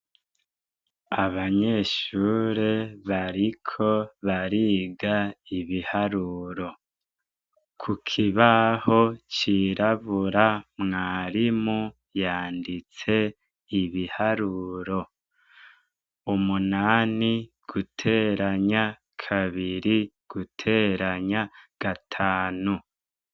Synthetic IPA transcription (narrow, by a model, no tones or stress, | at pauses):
aβaɲe̞ʃuːɾeβaɾikʰo̞βaɾiːɡaiβihaɾuɾo̞ | kʰukʰiβaho̞t͡ʃiːɾaβuɾamŋaːɾimu | jaːndit͡se̞ | iβihaɾuːɾo̞ | umunaːniɡ̥utʰe̞ɾaɲa | kʰaβiɾi | ɡ̥utʰe̞ːɾaɲaɡ̥atʰaːnu